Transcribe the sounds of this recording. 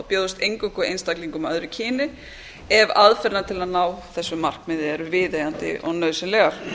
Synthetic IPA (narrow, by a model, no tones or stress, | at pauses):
apjoːðʏst̪ejŋkʏkʏejnst̪akliŋkʏmœðɾʏcʰɪːnɪ | ɛvaðfɛɾnat̪ʰɪlaðnaːwθɛsːʏmar̥kmɪðɪɛɾʏvɪːðejant̪ɪ̰ʔɔ̰ɣnœɥsɪnlɛɣaɾ̥